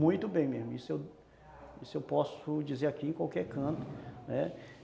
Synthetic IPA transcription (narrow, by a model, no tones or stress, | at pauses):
ũj̃t̪ʊbẽj̃mezmʊisʊew | isʊewpɔsʊd͡ʒizeɾakiẽkwawkɛɾkɐ̃t̪ʊ̥nɛ